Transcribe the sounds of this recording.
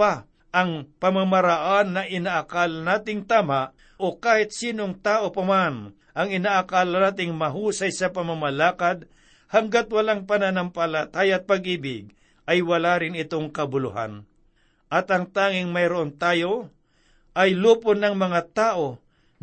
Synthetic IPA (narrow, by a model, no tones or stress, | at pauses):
a | ʔɐŋpɐmamɐɾaʔanːɐʔɪnaʔakaːlɐnaːt̪ɪŋt̪aːmaʔ | ʔokaːhɪt̪̚siːnoŋt̪aːʔopɐman | ʔɐŋɪnaʔakaːlɐnaːt̪̬ɪŋmɐɦuːsɐjsɐpɐmamɐlaːkad̪̚ | hɐŋɡat̪̚wɐlaŋpɐnanɐmpɐlɐt̪aːjaɐt̪̚pɐɡʔiːbɪɡ̚ | ʔɐjwɐlaːɾɪnɪt̪oŋkɐbʊlʊ̰ha̰n | ʔɐt̪ɐŋt̪aːŋɪŋmɐjɾoʔont̪aːjo̞ | ʔɐjluːponɐŋmɐŋat̪aːʔo̞